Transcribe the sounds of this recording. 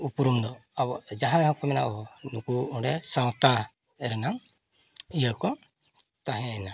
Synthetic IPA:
upuɾumd̪ɔabɔd͡ʒaɦanɛɦɔ̃kɔmɛna̰ʔɔnukuɔɖɛsawt̪a | ɛɾɛnaŋ | ijəkɔ | t̪aɦɛ̃ana

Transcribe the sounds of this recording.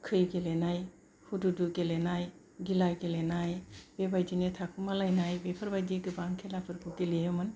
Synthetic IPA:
kʰɯjɡelenaj | hududuɡelenaj | ɡilajɡelenajbebajdinetʰakʰumalajnajbepʰɐɾbajdeɡɯbaŋkʰelapʰɯɾbʰuɡelejɯmɯn

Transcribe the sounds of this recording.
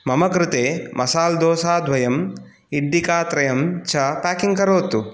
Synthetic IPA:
mɐmɐkɾɪt̪eːmʔɐsaːld̪oːsaːd̪ʱʋɐjɐm | iɖːikaːt̪ɾɐjɐmt͡ʃʰɐpaːkiŋkɐɾoːt̪u

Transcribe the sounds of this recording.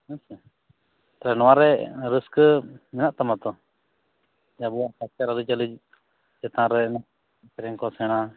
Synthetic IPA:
əsə | t̪ɾɛnɔwaɾɛɾəskəmɛnaʔt̪amãt̪ɔ | d͡ʒabuaʔkasaɾalit͡ʃalit͡ʃ | d͡ʒɛt̪ãɾɛna | pɛɾɛŋkɔsɛɽ̃a

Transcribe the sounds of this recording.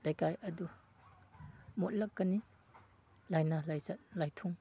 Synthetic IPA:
lajkajɐdu | mɔt̚lakːani | lajnalajzat̚lajtʰuŋ

